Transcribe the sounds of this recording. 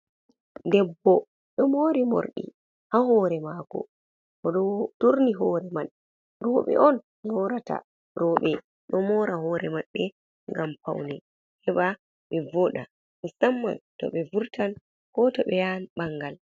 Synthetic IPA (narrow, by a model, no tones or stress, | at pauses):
ndɛbːɔ | ɗɔmoɾimo̰ɾɗḭ | hahɔːɾɛmakɔ̰ | ɔɗɔtuɾniɦɔɾɛmal | ɾɔːɓɛ̰ʔɔn | nɔɾata̰ | ɾɔːɓɛ | ɗɔmɔːɾaɦɔːɾɛmaːɛ | ŋɡampa̰wnɛ | hɛba | ɓɛvɔɗa̰ | mɛsamːa̰ntɔ̰ɓɛvuɾtan | kɔtɔɓɛjanɓaŋɡal